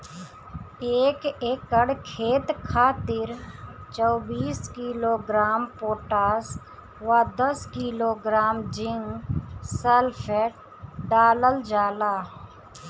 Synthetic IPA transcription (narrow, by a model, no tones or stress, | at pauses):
eːkeːkːəɽkʰeːt̪kʰaːt̪ɪɾt͡ʃɔːbiːskiːloːɡɾaːmpoːʈaːs | ʋad̪əskiːloːɡɾaːmd͡ʒɪŋsɛlfʰeːʈ̚ | ɖaːləld͡ʒaːlaː